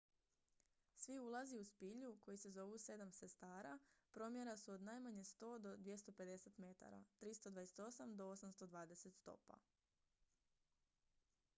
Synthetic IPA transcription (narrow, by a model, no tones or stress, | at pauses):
sʋiulˠaziuspiʎuko̞jise̞zo̞ʋuse̞d̪amse̞st̪aːɾapɾo̞mje̞ɾasuod̪naːjmaɲe̞st̪o̞ːd̪o̞d̪ʋje̞st̪o̞pe̞d̪e̞se̞t̪me̞t̪a̰ɾa̰t̪ɾist̪od̪ʋajeset̪o̞samd̪o̞o̞samst̪o̞d̪ʋaːd̪e̞se̞t̪st̪o̞̰pa̰